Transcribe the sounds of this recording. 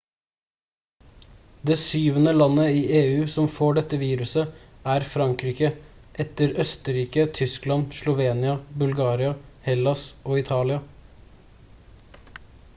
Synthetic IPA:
d̪eːsyːʋənəlɑnːəiːʔeːʉːsɔmfoːɖɛt̪ːəʋiːɾʉsə | æːɾfɾɑŋkɾiːkəʔɛt̪əɾœst̪əɾiːkət̪ʰʏsklɑnʃlʊʋeːnɪɑbʉlɡɑːɾɪɑhɛlɑsoːɪt̪ʰɑːlɪɑ

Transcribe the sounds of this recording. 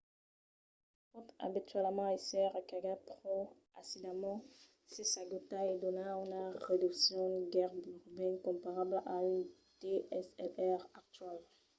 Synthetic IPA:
fɔt̪a̰bit̪ɥɛlmɑ̃esɛʁakaɡapχo | asid̪amɑ̃ | sesaɡot̪aed̪ɔnaynaʁed̪yksjɔ̃d̪ɡɛʁbyʁbɛkɔ̃mpaʁablʔaynt̪eʔɛsɛ̰lɛʁak̚t̪ɥal

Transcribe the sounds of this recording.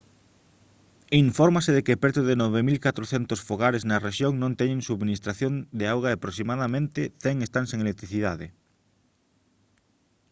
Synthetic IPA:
iɱfɔɾmaseðekepɛɾt̪oðenɔβemilkat̪ɾoθɛnt̪osfoɣaɾeznɐreʃjoŋnõnt̪ɛɲẽŋsuβminist̪ɾaθjõnd̪eawɣaeapɾoks̬imaðamẽnt̪ɪθɛŋest̪ansẽŋelek̚t̪ɾiθiðaðe

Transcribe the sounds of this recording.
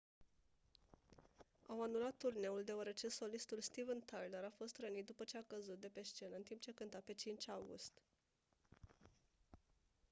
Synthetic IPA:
awanulat̪ːurne̞uld̪e̞wəɾe̞t͡ʃe̞so̞list̪ulst̪ivənt̪ajləɾafo̞st̪ɾənit̪̚d̪upət͡ʃe̞akəzut̪̚d̪e̞pe̞ʃt͡ʃe̞nəɨnt̪imp̚t͡ʃekɨnt̪ape̞t͡ʃint͡ʃʲawɡṵst̪

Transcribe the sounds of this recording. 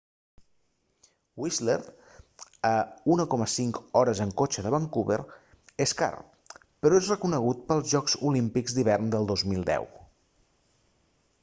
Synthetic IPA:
wizleɾt̪ | əunəkɔməsiŋkɔɾəzəŋkot͡ʃəðəβaŋkuβḛɾ | eska̰ɾ | pəɾɔezrəkunəɣ̞ut̪̚pəlˠzʒɔkzulimpikzd̪iβɛrnd̪əlˠd̪ozmilˠd̪ɛ̰w

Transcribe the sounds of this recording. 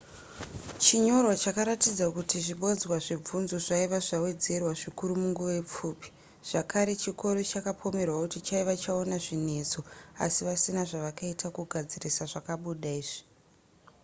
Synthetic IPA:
t͡ʃiɲo̞rwat͡ʃakaɾatid͡zakutiʐiɓod͡zwaʐib͡vunzoʐaiʋaʐawe̞d͡ze̞rwaʐikuɾumuŋɡuʋep͡fuːpi̥ | ʐ̥akʰaɾe̞t͡ʃiko̞ɾo̞t͡ʃakapʰo̞me̞rwakutit͡ʃaiʋat͡ʃaonaʐine̞t͡so̞a̰siʋasinaʐaʋakaitʰakuɡʱad͡zirisaʐakaɓuɗaiːʐi̥

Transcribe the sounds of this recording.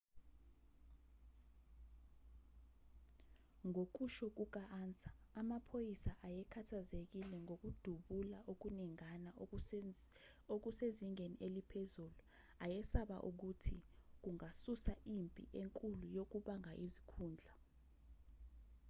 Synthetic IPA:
ŋok̬uʃɔk̬uk̬aʔant͡sʼḁːmapʰojisaʔajɛkʰatʰazek̬ilɛŋok̬ud̥ʱuɓulaʔok̬uniŋana | ok̬useziŋeniʔelipʰezulu | ajɛsaɓa̰ʔuk̬utʰik̬uŋasusaʔimpʼḭʔeŋkʼulujok̬uɓaŋaʔizikʰuːnd͡ɮʱa

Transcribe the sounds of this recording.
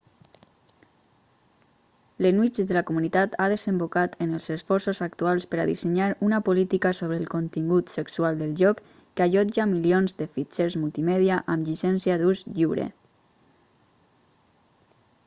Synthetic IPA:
lənwit͡ʃd̪əlakomunit̪at̪aðəzəmbokat̪ʰənəlˠzəsfɔɾsozak̚t̪ualˠspəɾaðisəɲaɾunapolit̪ikasoβ̞ɾəːlˠkont̪iŋɡut̪səksualˠd̪əlˠʒɔkː | aʒɔd͡ʒamilionzðəfit͡ʃeɾzmulˠt̪imɛðiaʔamʎisɛnsiaðuzʎiwɾḛ

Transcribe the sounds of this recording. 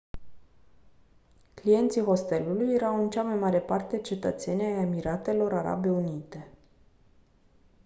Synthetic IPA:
klije̞nt̪siɦo̞st̪e̞lulujːeɾawɨnt͡ʃamajmaɾe̞part̪e̞t͡ʃe̞t̪ət̪se̞nʲajemiɾat̪e̞lo̞ɾaɾa̰be̞unit̪e̞

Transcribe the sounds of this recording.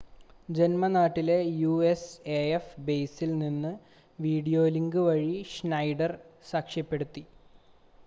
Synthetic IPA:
d͡ʑe̞nmɐnaːʈːile̞juːeseːefbejsilninːɨ | ʋiːɽijo̞ːliŋɡɨʋɐɻiʂnɐjɖɐrsaːkʂjɐpːe̞ɽut̪ːi

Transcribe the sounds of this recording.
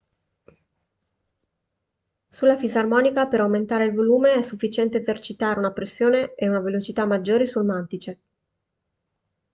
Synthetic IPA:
sulːafizarmɔːnikapeɾawment̪aːɾeilvoluːmeɛsːufːit͡ʃɛnt̪eezert͡ʃit̪aːɾeunapɾesːjoːneeunavelot͡ʃit̪amːad͡ʒːoːɾesulmant̪it͡ʃe

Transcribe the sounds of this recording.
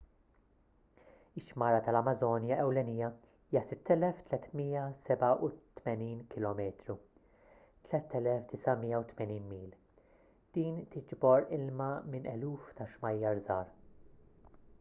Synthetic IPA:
ɪʃːmɐːɾɐt̪ɐlɐmɐzɔːnjɐʔɛwlɛnijɐ | iːjɐsɪt̪ːɛlɛft̪lɛt̪miːɐsɛbɐʔut̪mɛniːnkɪlɔːmɛːt̪ɾu | t̪lɛt̪ːɛlɛfd̪ɪsɐmiːjɐwt̪mɛniːnmiːl | d̪̥iːnt̪ɪd͡ʒbɔɾɪlmɐmɪnʔɛluːft̪ɐʃmɐjːɐɾzɐːɾ

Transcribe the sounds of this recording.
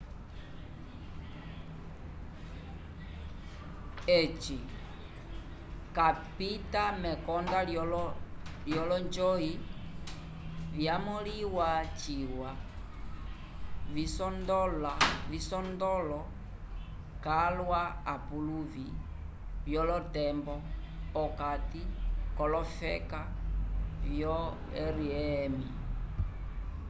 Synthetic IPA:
ɛt͡ʃi | kapitamɛkɔnda | ljɔlɔnd͡ʒɔi | vjamɔliwat͡ʃiwa | visɔndɔlavisɔndɔlɔ | kalwaapuluvi | vjɔlɔtɛmbɔ | ɔkatikɔlɔfɛ̰ka | vjɔ | ɛɾiɛmi

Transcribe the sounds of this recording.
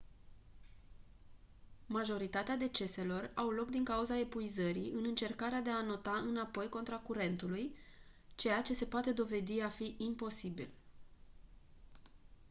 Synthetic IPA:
maʒo̞ɾit̪at̪ead̪e̞t͡ʃe̞se̞lo̞rawlo̞kd̪iŋkauzae̞puizəɾiʔɨnɨnt͡ʃe̞rkaɾead̪e̞ano̞t̪aɨnapo̞jko̞nt̪ɾakuɾe̞nt̪uluj | t͡ʃe̞jat͡ʃe̞se̞poat̪e̞d̪o̞ve̞d̪iafiʔimpo̞sibḭl

